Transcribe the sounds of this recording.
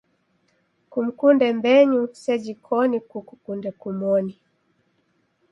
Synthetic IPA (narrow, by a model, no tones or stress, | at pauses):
kum̩kundɛmbɛɲusɛd͡ʒikʰɔnikukukundɛkumɔni